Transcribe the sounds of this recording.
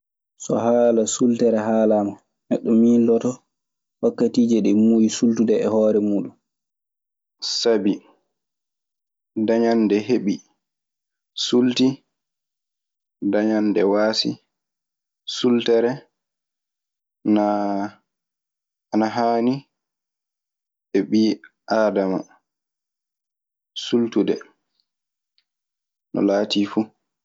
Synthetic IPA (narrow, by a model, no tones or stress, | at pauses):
sɔ̰ɦaːlasultɛɾɛɦaːlama | nɛɗːɔmilːɔtɔ | wakːatiːd͡ʒɛɗɛmujisultudɛɛhɔːɾɛmuːɗum | sabi | daɲandɛɦeɓi | sulti | daɲandɛwaːsḭ | sultɛɾɛ | na | anaɦaːni | ɓɛɓiː | ʔaːdama̰ | sultudɛ̰ | nʔɔ̰laːtʰifu